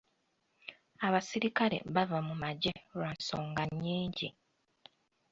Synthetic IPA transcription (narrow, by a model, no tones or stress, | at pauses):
aβasiɾikaɾḛβavamumaɟeɾansoːŋɡaɲːiːɲɟi